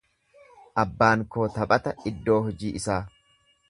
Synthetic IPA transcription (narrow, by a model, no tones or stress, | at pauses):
ʔɐbːaːŋko̞ːt̪ɐpʼɐt̪ɐɪd̪ːo̞ːhɔd͡ʒiːʔɪsaː